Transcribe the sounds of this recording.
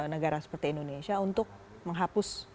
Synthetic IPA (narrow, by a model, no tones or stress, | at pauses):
nəɡaɾasə̥pərt̪iːnd̪onesjaunt̪ʊk̚ | məŋɦapʊs